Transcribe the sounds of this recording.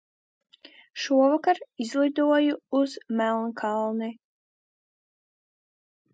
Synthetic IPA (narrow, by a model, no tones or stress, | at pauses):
ʃuɔvakaɾizlˠid̪uɔjuuzmælˠnkʰalˠni